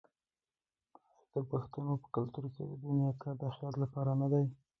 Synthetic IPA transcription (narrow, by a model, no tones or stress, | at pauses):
d̪̥əbaxt̪unopə̥kalt̪uɾked̪əd̪unjɑkad̪əaxjɑt̪lapɑɾanad̪aj